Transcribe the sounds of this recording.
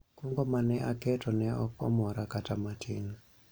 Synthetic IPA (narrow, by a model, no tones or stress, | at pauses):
kuŋɡɔmanɛʔakɛtɔnɛɔkɔmɔɾakatamatʰin